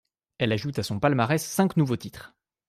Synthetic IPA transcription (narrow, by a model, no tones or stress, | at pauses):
ɛlaʒut̪asɔ̃palmaʁɛsːɛ̃knuvot̪it̪χ